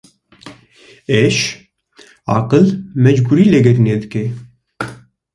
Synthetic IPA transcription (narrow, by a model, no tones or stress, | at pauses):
eʃ | ɑ̰ːqəlmɛd͡ʒbuɾiːlɛɡɛɾneːd̪ɨke